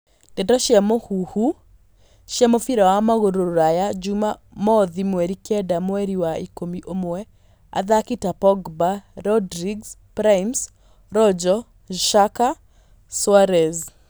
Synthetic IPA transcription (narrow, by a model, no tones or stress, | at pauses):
dɛdɔʃiamɔhuhu | ʃjamɔfiɾawamaɣoɾoɾajad͡ʒuma | mɔðimweɾikɛdamweɾiwaikomiʔomoɛ | a̰ðakitapɔɡbaɾɔdɾiɡspɾaims | ɾɔd͡ʒɔ | ʃaka | swaɾɛz